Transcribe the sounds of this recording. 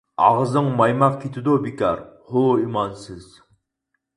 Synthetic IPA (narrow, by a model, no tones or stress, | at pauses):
ɑ̰ʁzɨŋmɑjmɑq̚kʲʰet̪ʰɪd̪ubikʲɑɾhoimɑnsɪz̥